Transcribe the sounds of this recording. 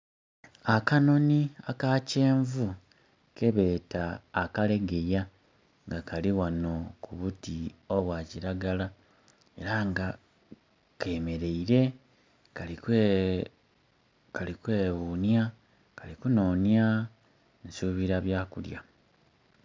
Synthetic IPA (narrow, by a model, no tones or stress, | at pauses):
akano̞niakace̞ːɱvu | ke̞βe̞ːtaːkale̞ɡe̞ja | ŋɡakʰaliwano̞kuβutio̞βwaːciɾaɡala | e̞ɾaŋɡa | ke̞ːme̞ɾe̞iɾe̞ | ka | kalikwe̞ːβuːnja | kalikuno̞ːnja | nsuːβiɾaβjaːkulja̰